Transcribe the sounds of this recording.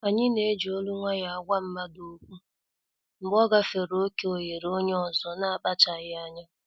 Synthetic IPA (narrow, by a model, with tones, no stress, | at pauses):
a˨ɲɪ˦ne˨˦d͡ʒi˨o˦lu˦ŋʷa˦ja˨a˨ɡʷa˦m̩˦ma˦do˨kʷu˦ | ŋ͡m̩˨ɡ͡bɔ˦ɡa˨fe˨ɾo˦ke˦o˨je˨ɾo˦ɲe˦ɔ˨zɔ˦na˦a˨k͡pa˦t͡ʃa˨ɣɪ˦a˦ɲa˦